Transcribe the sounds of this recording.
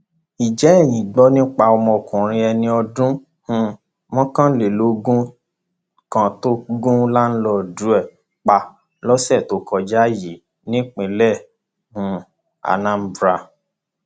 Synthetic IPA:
i˨d͡ʒɛ˨˦ɛ˦˨j̃ĩ˨ɡ͡bɔ˨˦nĩ˦k͡pa˧ɔ˧mɔ̃˧˨kũ˨ɾ̃ĩ˧ɛ˧nĩ˧ɔ˧dũ˦ | hũ˧ | mɔ̃˦kã˦le˨lo˨˦ɡũ˦ | kã˧to˦ɡũ˦la˦n̩˦lɔ˧˨du˨˦ɛ˦˨ | k͡pa˧ | lɔ˦sɛ˦˨to˨˦kɔ˧d͡ʒa˦˨ji˨˦ | nĩ˦k͡pẽ˨lɛ˦˨ | hũ˧˦ | a̰˨nã˨˦m̩˨bɾa˧

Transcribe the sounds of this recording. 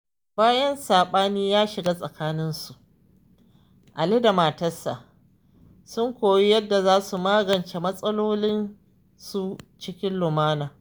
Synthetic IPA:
baː˦jɐ˦nsaː˨ɓaː˦niː˦jaː˦ʃɪ˨ɡaː˦sʼɐ˨kaː˦nɪ˦nsu˨ʔ | ʔa˨le˦da˨maː˨tɐ˦sːa̰˨ | sʊ˦ŋkʷoː˨ji˦jɐ˦dːa˨zaː˦su˨maː˦ɡɐ˨nt͡ʃe˨mɐ˦sʼɐ˦loː˦lɪ˦n | su˦t͡ʃɪ˦kʲɪ˦nlʊ˨maː˦naː˨

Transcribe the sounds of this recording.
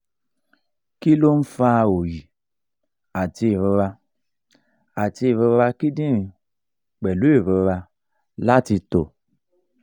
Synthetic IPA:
ki˦lo˦n̩˦fa˦o˨ji˨ | a˨ti˧˨ɾi˧ɾa˧ | a˨ti˧˦˨βi˧ɾa˧ki˦dĩ˦i˨ | k͡pɛ˨lu˦e˦˨ɾe˧ɾa˧ | la˦ti˧to̰˨

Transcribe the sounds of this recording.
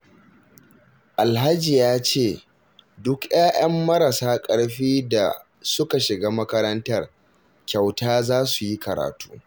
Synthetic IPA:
ʔa˨lɦa˦d͡ʒi˨jaː˦t͡ʃeː˦˨ | dʊ˦kj̰aː˦j̰ɐ˦mːɐ˦ɾɐ˨saː˦kʼɐ˦ɽɸiː˦da˨ | sʊ˦ka˨ʃɪ˨ɡaː˦mɐ˦kɐ˦ɾɐ˦ntɐ˦r | kʲa˨wtaː˦zaː˦su˨ji˦kɐ˨ɾa̰ː˨tu̥ː˦

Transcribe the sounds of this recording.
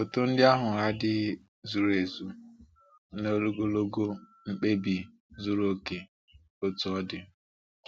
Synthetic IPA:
o˨to˦n̩˦dɪ˦a˦ɦʊ˨a˦dɪ˦ | zu˨ɾe˨zu˨ | no˦lo˦ɡo˦lo˦ɡo˦ | ŋ͡m̩˦k͡pe˦bi˨ | zu˦ɾo˦ke˨ | o˦tu˨˦ɔ˦dɪ˨

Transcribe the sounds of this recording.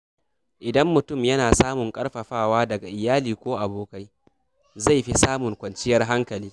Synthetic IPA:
ʔɪ˨dɐ˦mːʊ˨tʊ˦˨mjɐ˦naː˨saː˦mʊ˨ŋkʼɐ˦rɸɐ˨ɸaː˦˨waː˦dɐ˨ɡa˨ʔɪ˨jaː˦liː˨kʷoː˦ʔa˨boː˨ka˦j | za˦˨jɸi˦saː˦mʊ˨ŋkʷɐ˨nt͡ʃɪ˦jɐ˦rɦa˦ŋkɐ˨liː˦

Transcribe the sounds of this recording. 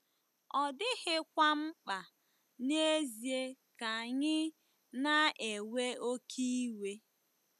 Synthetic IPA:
ɔ˨dɪ˦ɣɪ˦kʷa˦m̩˦k͡pa˨ | ne˦zi˨e˦ka˨ɲɪ˦ | na˦ʔe˨we˦o˦kʰi˦we˦

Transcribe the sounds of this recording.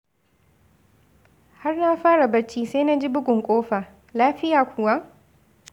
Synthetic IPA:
ha˦rnaː˦ɸaː˦ɽa˨bɐ˦ɽt͡ʃiː˦se˦na˦d͡ʒi˦bʊ˦ɡʷʊ˨ŋkʷʼoː˦ɸaː˨ | laː˦ɸɪ˦jaː˨kʷʰʊ˨wa˦ʔ

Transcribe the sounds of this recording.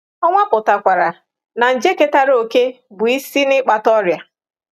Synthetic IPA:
ɔ˦ŋʷa˦pʊ˨ta˨kʷa˨ɾa˨ | na˨n̩˨d͡ʒe˦ke˦ta˦ɾo˨ke˦ | bʊ˨i˦si˦nɪ˦k͡pa˨tɔ˦ɾja˨

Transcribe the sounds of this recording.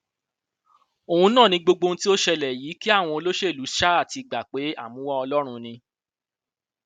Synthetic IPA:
o˨hũ˧nã˦˨nĩ˧˦ɡ͡bo˧ɡ͡bo˧n˦ti˦o˦ʃɛ˧lɛ˨ji˨˦ki˦a˦˨w̃ɔ̃˧o˧lo˦ʃe˦˨lu˨˦ʃa˦a˦˨ti˧˨ɡ͡ba˨k͡pe˨˦a̰˦˨mũ˨˦wɔ˦ɔ˧lɔ˦ɾ̃ũ˧nĩ˧

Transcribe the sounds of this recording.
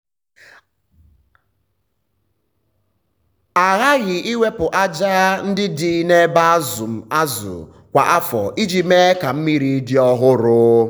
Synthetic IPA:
a˨ɣa˦ɣɪ˨ʔi˦wʷe˦pʊ˨ʔa˦d͡ʒaː˦n̩˦dɪ˦di˨˦ne˦ba˦a˦zʊ˨m̩˨a˦zʊ̰˨ | kʷa˨ʔa˦fɔ̰˨ʔi˦d͡ʒi˨me˦ka˨m̩˦mi˦ɾi˨˦dɪ˦ɔ˦ɦʊ˦ɾʊː˦

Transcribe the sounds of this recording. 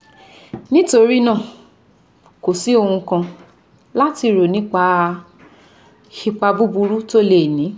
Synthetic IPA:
nĩ˦to˧ɾi˦nã˦˨ | ko˨si˨˦o˧hũ˧kã˧ | la˦ti˧˨ɾo˨nĩ˨˦k͡pa˧ | ʃi˧k͡pa˧bu˦bu˧ɾu˦to˦le˦˨nĩ˨˦

